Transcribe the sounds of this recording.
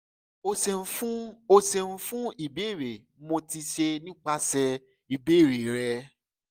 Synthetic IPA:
o˧sɛ˧˦fũ˦o˧se˧ñ̩˦fũ˦i˦˨be˨˦˨ɾe˨˦mo˧ti˧ʃe˧nĩ˦k͡pa˦sɛ˧ | i˨be˨˦˨ɾe˨ɾɛ˧

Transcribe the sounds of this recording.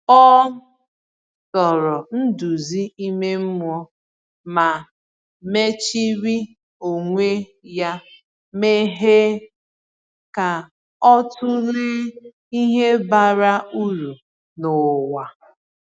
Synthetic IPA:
ɔ˦ | sɔ˨ɾɔ˨n̩˦du˨zi˦i˦me˦m̩˦mʊ˦ɔ˦ | ma˨ | me˦t͡ʃi˦ɾi˦ | o˨ŋʷe˦ja˦ | me˦ɦe˦ | ka˨ | ɔ˦tʊ˦ɾɪ˦ | i˦ɦe˦ba˨ɾa˦u˦ɾu˨ | nʊ˨wa˨

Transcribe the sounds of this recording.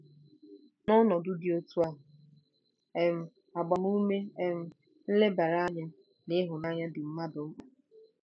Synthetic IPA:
nɔ˦nɔ˨dʊ˦dɪ˨o˦tu˦a˦ɦ | e˦˨m̩˨ | a˨ɡ͡ba˨ɦu˦me˦e˨m̩˨ | n̩˦le˦ba˨ɾa˦ɲa˦ | nɪ˦ɦʊ˨na˦ɲa˦dɪ˨m̩˦ma˦do˨˦a˨

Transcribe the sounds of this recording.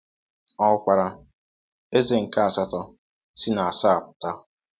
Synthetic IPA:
ɔ˦kʷa˨ɾa˦ | e˦ze˨ŋ̩˨ka˦a˨sa˦tɔ˦ | si˦na˨a˨sa˦a˨pʊ̥˨ta˦

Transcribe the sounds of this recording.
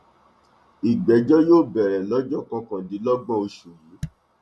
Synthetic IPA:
i˨ɡ͡bɛ˨˦d͡ʒɔ˦joː˦˨bɛ˨ɾɛ˨lɔ˨˦d͡ʒɔ˦˨kã˧kã˨di˨˦lɔ˦ɡ͡bɔ̃˦o˧ʃu˨jĩ˨˦

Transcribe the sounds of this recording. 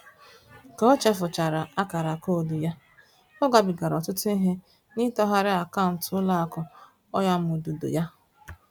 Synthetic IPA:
kɔ˦ɔ˦t͡ʃɛ˦fʊ˨t͡ʃa˨ɾa˨a˦ka˨ɾa˨ko˦˨du˨ja˦ | ɔ˦ɡa˨bɪ˨ɡa˨ɾɔ˨tʊ˦tʊ˦i˦ɦe˦ | ni˦tɔ˦ɦa˦ɾɪ˦a˨ka˦ʊ˨n̩˨tʊ˦la˦a˨kɔ˨ | ɔ˦ja˦m̩˦˨o˨du˨do̰˨ja˦

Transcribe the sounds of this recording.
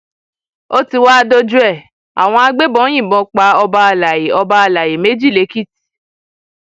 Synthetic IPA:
o˦ti˧wa˦a˧do˦d͡ʒu˦ɛ˦˨ | a̰˨w̃ɔ̃˧a˧ɡ͡be˦bɔ̃˨˦j̃ĩ˦˨bɔ̃˨˧k͡pa˧˦ɔ˧ba˧a˧la˨je˨ɔ˧ba˧a˧la˨je˨me˨˦d͡ʒi˦˨le˨˦ki˦˨ti̥˨

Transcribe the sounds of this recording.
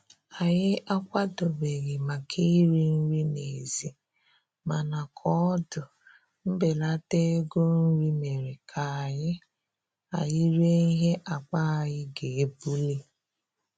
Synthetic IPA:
a˨jɪ˦a˦kʷa˦do˨be˨ɣɪ˨ma˨kʰi˦i˦ɾi˦n̩˦ɾi˦ne˨zi˨ | ma˨na˨kʰɔ˦dʊ˨ | m̩˦bɪ˨la˦te˦ɡo˦n̩˦ɾi˦me˨ɾi˨kʰa˨a˨ɲɪ˦ | a˨jɪ˦ɾe˦i˦ɦe˦ʔa˨k͡pa˦a˨jɪ˦ɡe˨e˦bu˦le˦

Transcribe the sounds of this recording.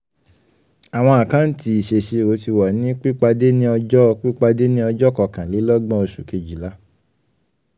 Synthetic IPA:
a˨w̃ɔ̃˧a˨kã˨˦n̩˦ti˧i˨ʃe˧ʃe˧˨ɾo˨˦ti˧wa˨nĩ˨˦k͡pi˦k͡pa˧de˦nĩ˦ɔ˧d͡ʒɔ˦˧k͡pi˦k͡pa˧de˦nĩ˦ɔ˧d͡ʒɔ˦kɔ˧kã˨li˨˦lɔ˦ɡ͡bɔ̃˦o˧ʃu˨ke˧d͡ʒi˨la˦

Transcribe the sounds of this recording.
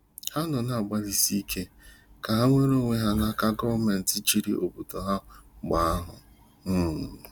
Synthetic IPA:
ha˦nʊ˨na˨a˨ɡ͡ba˦li˨si˦kʰe˦ka˨ɦa˦ŋʷe˦ɾo˦ŋʷe˦ɦa˦na˦ka˦ɡɔ˦vme˨n̩˨tɪ˦t͡ʃi˨ɾḭ˦ʔo˨bu˨to˨ɦa˦ɡ͡ba˨a˦ɦʊ̰˨ | m̩˨

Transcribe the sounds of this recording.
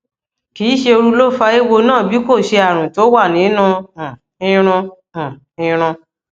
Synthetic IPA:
ki˨˦ʃe˧o˧ɾu˧lo˦˨fa˧˦e˦wo˧nãː˦˨bi˨˦ko˦˨ʃe˧a˨ɾ̃ũ˨to˨˦wa˦˨nĩ˨˦nũ˧ã˨ | ĩ˧ɾ̃ũ˧ | ã˨ | ĩ˧ɾ̃ũ˧

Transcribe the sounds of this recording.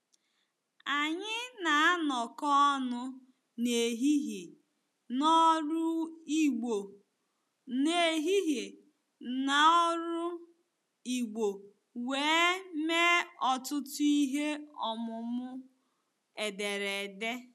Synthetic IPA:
a˨ɲɪ˦na˨a˦nɔ˨kɔ˦nʊ˦ | ne˨ɦi˦ɦe˨ | nɔ˦ɾʊ˦i˦ɡ͡bo˨ | ne˨ɦi˦ɦe˨ | na˨ɔ˦ɾʊ˦ | i˨ɡ͡bo˨ | weː˨˦me˦ɔ˨tʊ˦tʊ˦i˦ɦe˦ɔ˨mʊ˨mʊ˦ | e˨de˨ɾe˨de˦

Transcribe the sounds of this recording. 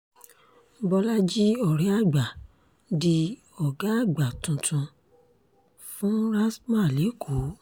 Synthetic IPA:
bɔ˧la˦d͡ʒi˦ɔ˨ɾɛ˨˦a˦˨ɡ͡ba˨ | di˧ | ɔ˨ɡa˦a˦˨ɡ͡ba˨tũ˧tʰũ˧ | fũ˦ɾa˦smã˦˨le˨˦kʰo˨˦

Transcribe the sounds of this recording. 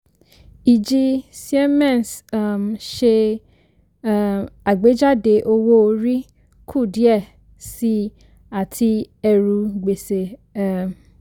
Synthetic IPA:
i˨d͡ʒi˧si˦ɛ˦mɛ̃˦˨nsm˨ʃe˧˦ | a˨ɡ͡be˨˦d͡ʒa˦de˨˦ʔo˧wo˦o˧ɾi˦ | kʰu˦˨di˦ɛ˦˨ | si˧ | a˨tʰi˧ | ɛ˧ɾu˧ɡ͡be˨se˨˦˨

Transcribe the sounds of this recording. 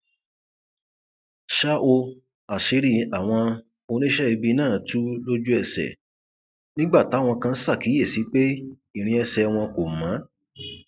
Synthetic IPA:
ʃa˦ʔo˧ | a˨ʃe˨˦ɾi˦˨a˨w̃ɔ̃˧ | o˧nĩ˦ʃɛ˦i˧bi˧nãː˦˨˦tu˦lo˦d͡ʒu˦ɛ˦˧˨sɛ̰˨ | nĩ˦ɡ͡ba˦˨ta˨˦˨w̃ɔ̃˧kã˧n̩˦sa˦˨ki˨˦je˦˨si˨˦k͡pe˦ | i˦˨ɾ̃ĩ˧ɛ˧sɛ˧w̃ɔ̃˧ko˨mã˨˦

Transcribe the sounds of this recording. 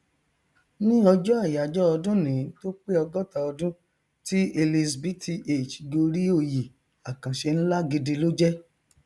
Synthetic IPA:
nĩ˦ɔ˧d͡ʒɔ˦a˦˨ja˨d͡ʒɔ˦ɔ˧dũ˦nĩ˨˦to˦k͡pe˦ɔ˧ɡɔ˦ta˧ɔ˧dũ˦ | ti˦e˧li˧sbi˨˦tʰi˧˦ʔe˨t͡ʃi̥˨ɡo˧ɾi˦o˦˧ji˨ | a˨kã˨ʃe˧ñ̩˦la˦ɡe˧de˧lo˦d͡ʒɛ˦

